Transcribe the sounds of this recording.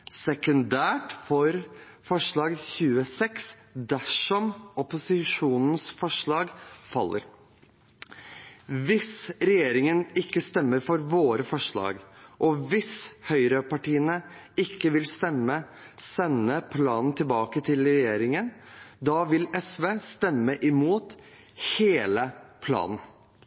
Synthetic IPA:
sɛkʉnd̪æːʈfɔɾ | fɔʂɭɑːɡçʉːəsɛks | d̪æʂɔmɔpʊsɪʂuːnn̩sfɔʂɭɑːɡfɑlːəɾ | ʋɪsɾɛjeːɾɪŋənɪkːəst̪ɛmːəɾfɔɾʋoːɾəfɔʂɭɑ̰ːɡʔɔʋɪshœʏɾəpɑʈiːənəɪkːəʋɪlst̪ɛmːə | sɛnːəpʰlɑːnn̩t̪ʰɪlbɑːkət̪ʰɪlɾɛjeːɾɪŋənd̪ɑːʋɪlɛsʋeːst̪ɛmːəʔɪmuːt̪ | heːləpʰlɑ̰ːnn̩

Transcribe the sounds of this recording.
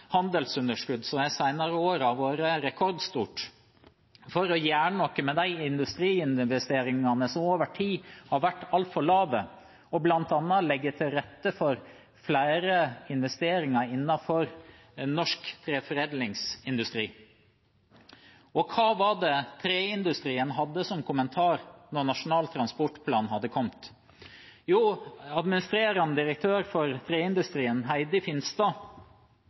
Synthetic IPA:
hɑnd̪əlsʉnəʂkʉd̪ːsɔmæsæɪnɑɾəoːɾɑʋʋoːɾəɾɛkʰɔɾd̪st̪uːʈ | fɔɾɔjæːɳənɔkːəmɛd̪æɪɪnd̪ʉst̪ɾiːɪnʋɛst̪eːɾɪŋɑnəsɔmoːʋəʈʰiːhɑɾʋæʈːɑlt̪fɔɭɑːʋə | ɔblɑnt̪ɑnːɑlɛɡːət̪ʰɪlɾɛt̪ːəfɔɾ | flæɪɾəɪnʋɛst̪eːɾɪŋɑɾɪnːɑfɔɾ | nɔʂkt̪ʰɾeːfɔɾeːd̪lɪŋsɪnd̪ʉst̪ɾiː | ɔkʰɑːʋɑɖɛt̪ʰɾeːɪnd̪ʉst̪ɾiːənɦɑd̪ːəsɔmkʰʊmənt̪ʰɑːɾnɔɾnɑʂʊnɑːlt̪ʰɾɑnspɔʈpʰlɑːnhɑd̪ːəkʰɔmt̪ | juːɑd̪mɪnɪst̪ɾeːɾɑnəd̪ɪɾək̚t̪ʰøːɾfɔɾt̪ʰɾeːɪnd̪ʉst̪ɾiːənɦæɪd̪əfɪnst̪ɑː

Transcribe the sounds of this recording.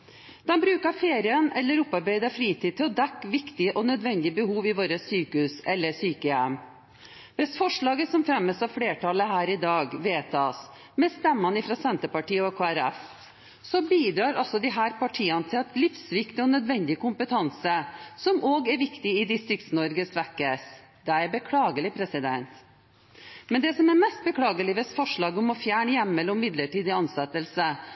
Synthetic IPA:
d̪̥ɛnbɾʉːkɑɾfeːɾɪənɛ̰lːəɾɔpːɑɾbæɪd̪əfɾiːt̪iːt̪ɪlɔd̪ɛkːʋɪkt̪ɪəʔɔnœd̪ʋɛnd̪ɪəbəhuːʋɪʋoːɾəsyːkəʉsɛlːəsyːkəjɛm | ʋɛsfɔʂɭɑːɡəsɔmfɾɛmːəsɑʋfɽeːʈɑləɦæːɾɪd̪ɑːɡʋeːt̪ʰɑːs | mɛst̪ɛmːɑnɪfɾɑsɛnt̪əpɑʈiːəɔkʰoːæɾɛf | sɔbiːd̪ɾɑːɾɔsɔd̪ɪɦæːɾpɑʈʰiːɑnət̪ʰɪlɑt̪lɪfsʋɪkt̪ɪɔnœd̪ʋɛnd̪ɪəkʊmpət̪ʰɑnsəsɔmʔoːɡæɾʋɪkt̪ɪɪd̪ɪst̪ɾɪk̚t̪snɔɾɡəsʋækːəs | d̪ɛɛɾbəkʰlɑːɡəlɪpʰɾɛsɪd̪ɛnt̪ | mɛnd̪ɛsɔmɛɾmɛst̪̚bəkʰlɑːɡəlɪəsfɔʂɭɑːɡɔmɔfjæːɳəjæmːɛlɔmːɪd̪ləʈiːd̪əɑnsɛt̪ːəlsə

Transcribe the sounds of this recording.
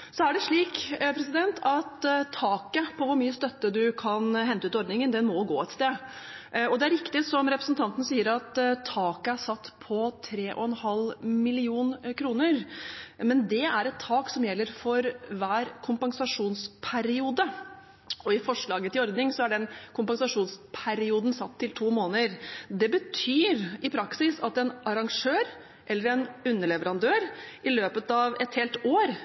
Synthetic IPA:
sɔæɖɛʂɭiːkpʰɾɛsɪd̪ɛnt̪ʰɑt̪t̪ʰːɑːkəpʰɔʋʊɾmyːəst̪œt̪ːəd̪ʉkʰɑnɦɛnt̪əʉːt̪ɔɾd̪nɪŋənd̪ɛnmɔɡo̰ːɛt̪st̪eː | ɔd̪ɛæɾɪkt̪ɪsɔmɾɛpɾəsn̩t̪ʰɑnt̪ənəsiːəɾɑt̪t̪ʰːɑːkəæʂɑt̪ːpʰɔt̪ʰɾeːʔɔ̰ɛnhɑlmɪlɪuːnkʰɾuːnəɾmɛnd̪ɛæɾɛt̪ʰːɑːksɔmjɛlːəɾfɔɾʋæːɾkʰʊmpɑŋsɑʂuːnspʰæɾɪuːd̪ə | ɔɪfɔʂɭɑːɡət̪ʰɪlɔɾd̪nɪŋsɔæɖɛnkʰʊmpɑŋsɑʂuːnspʰæɾɪuːd̪n̩sɑt̪ʰːɪlt̪ʰuːmoːnəɾd̪ɛbət̪ʰyːɾɪpʰɾɑksɪsɑt̪ɛnʔɑɾɑŋʂøːɾ | ʔɛlːəɾɛnʉnːəɭɛʋəɾɑnd̪øːɾʔɪløːpət̪ɑʋɛt̪heːlt̪oːɾ

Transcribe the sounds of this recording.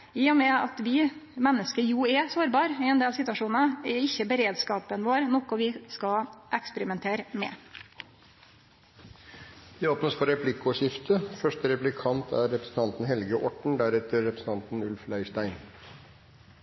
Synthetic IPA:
ɪːɔmɛɑt̪ʋɪmɛnːəskəjuɛsoːɾbɑːɾɪɛnd̪eːlsɪt̪ʋɑʂuːnɑɛɪçːəbəɾeːd̪skɑːpənʋoːɾnɔkːɔʋɪskɑʔɛkspəɾɪmɛnt̪ʰeːɾəmɛ̰ | ʋ̪ɪoːpnəspʰɔɾɛpʰlɪkʊʂɪft̪ʰəfœʂʈəɾɛplɪkʰɑnt̪ʰæɾɾɛpɾəsn̩t̪ɑnt̪n̩hɛlɡəʔɔʈɳ̩d̪æɾɛt̪əɾːɛpɾsn̩ʰɑnt̪n̩ʉlflæɪʂʈæɪn

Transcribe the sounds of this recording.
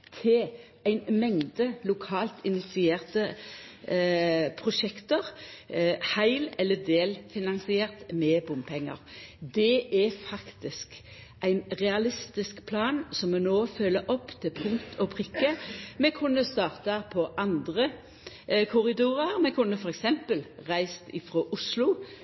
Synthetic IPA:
t̪ʰɪ | æɪnmɛŋd̪əlʊkʰɑːlt̪ɪnɪt̪sɪeːʁt̪ə | pʰʁʊʃɛkt̪əʁ | hæɪlɛlːəd̪eːlfɪnɑnsɪeːʁt̪mɛbʊmpʰɛŋːə̰ʁd̪ɛʔæfɑkt̪ɪsk | ʔæɪnʁɛɑlɪst̪ɪskpʰlɑːnsɔmːɛnoːfœlːəʔɔpːt̪ʰɪlpʰʊŋkt̪ʰɔpʰʁɪkːəmɛkʰʉnːəst̪ɑːʁt̪əpʰɔʔɑnd̪ʁə | kʰʊɾɪd̪uːʁəɾmɛkʰʉnːəfɔɾɛksɛmpəlʁæɪst̪ɪfɾoːʔʊslʊ

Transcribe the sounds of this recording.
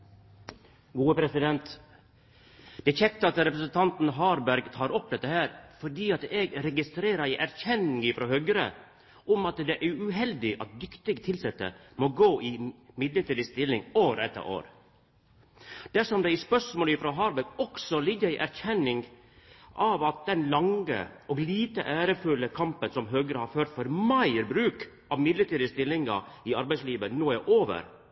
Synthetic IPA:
ɡuːəpʰɾɛsɪd̪ɛnt̪ | d̪̥ɛçɛk̚t̪ːəɑt̪ɾɛpɾəsənt̪ʰɑnt̪n̩ɦɑːɾbæɾɡt̪ʰɑːɾɔp̚ːd̪ɛt̪ːəhæːɾfɔɖiːɑt̪ɛɡɾɛɡɪst̪ɾeːɾəɾiʔæɾçɛnɪŋɪfɾoːhœɡəɾə̰ | ɔmɑt̪d̪ɛʔæɾʉʉɦɛld̪ɪʔɑt̪̚d̪ʏkt̪ɪɡt̪ʰɪlsɛt̪ːə̰moɡoːʔɪmɪd̪ləɾt̪ʰiːd̪əst̪ɪlɪŋoːɾɛt̪ːə̰ɾʔo̰ːɾ | d̪̥æʂɔmd̪ɛɪspœʂmoːləɪfɾoːɦɑːɾbɛkɔksɔlɪɡːəɾɪʔæɾçʰɛnːɪŋɡ | ʔɑʋɑt̪̚d̪ɛnlɑŋə̰ʔɔɡliːt̪əʔæːɾəfʉlːəkʰɑmpənsɔmɦøːɡəɾəhɑɾføːʈ̪fɔɾmɑɪɾbɾʉːk | ʔɑʋmɪd̪ləʈ̪iːd̪əst̪ɪlːɪŋɑ̰ɪɑɾbæɪsliːʋənoːæɾʔoːʋə̰ɾ

